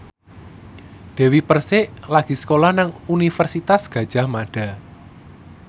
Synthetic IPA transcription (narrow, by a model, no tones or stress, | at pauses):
d̪̥ɛ̤wipərsɪʔlaɡ̥i̤sə̥kolahnaŋunifərsit̪asɡ̥ä̤d̥ʒ̥a̤hmaɖ̥a̤